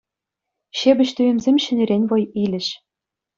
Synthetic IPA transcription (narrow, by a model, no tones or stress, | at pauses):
ɕebʲɘ̆ɕt̪yjɘ̆mzʲemʲɕɘ̆nʲĕɾʲenʲvɤ̆jilʲɘ̆ʃ